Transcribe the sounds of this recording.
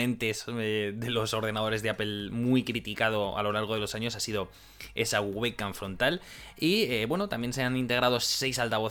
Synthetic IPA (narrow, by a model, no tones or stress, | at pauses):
ẽ̞nt̪e̞seðe̞lo̞so̞ɾð̞e̞nað̞o̞ɾe̞zðe̞ape̞lmujkɾit̪ikað̞o̞a̰lo̞laɾɣ̞o̞ðe̞lo̞saɲo̞sasið̞o̞ | e̞saɣuɣe̞kaɱfɾo̞nt̪al | ieβwe̞no̞t̪amje̞nse̞anint̪e̞ɣ̞ɾað̞o̞sse̞jsalt̪aβ̞o̞